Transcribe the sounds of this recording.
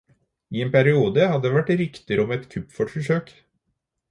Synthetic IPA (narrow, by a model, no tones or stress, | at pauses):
iːeːnpʰæɾɪuːd̪əhɑd̪əd̪eːʋæʈɾɪkt̪əɾɔmɛt̪kʰʉpːfɔʈfɔʂøːk